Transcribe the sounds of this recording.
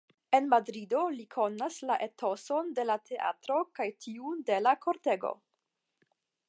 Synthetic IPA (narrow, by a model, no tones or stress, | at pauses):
e̞nmadɾido̞likʰo̞naslaʔe̞to̞so̞nde̞latʰe̞ʔa̰tɾo̞kajtʰiude̞lakʰo̞ɾte̞ɡo̞̰